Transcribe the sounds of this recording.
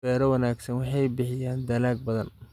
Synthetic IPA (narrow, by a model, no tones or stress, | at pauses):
ɛːɾɐwɐnaːɡsɐnwɑħɑjbɪħɪjaːnd̪ɐlaːɡ̚bɐðɐn